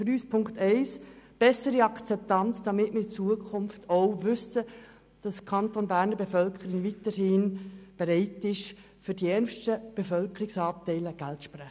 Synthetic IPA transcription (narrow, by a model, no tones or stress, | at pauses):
fɾyːspʰʊŋktɛɪsb̥ɛsəɾiɑkt͡sɛp̚tɑnt͡sd̥ɑmɪtməɪt͡suəkʰʊmftʰoʊvʏsə | d̥ɑskʰɑntonbæːɾnəbefœlkʰəɾɪŋvitəɾhɪːnb̥ɛɾɛɪtɪʃ | fʏɾdiɛɾnʃtəb̥efœlkəɾɪksɑːp̚tɛɪləɡ̥æltʃprɛχ